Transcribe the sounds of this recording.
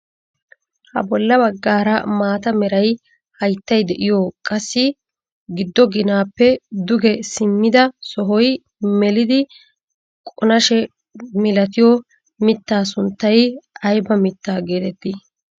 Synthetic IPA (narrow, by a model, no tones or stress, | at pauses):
hɐ̰bɔlːɐbɐɡːaːɾɐmaːt̪ɐmɛɾɐj | hɐjt̪ːɐjd̪ɛʔɪjoːkʼɐsːɪ | ɡɪd̪ːɔɡɪnaːpːɛd̪ʊɡɛsɪmːɪd̪ɐsɔɦɔj | mɛlɪd̪ɪ | kʼɔnɐʃɛ | mɪlɐt̪ɪjɔ | mɪt̪ːaːs̬ʊnt̪ːɐjɐjbɐmɪt̪ːaːɡeːt̪ɛt̪ːi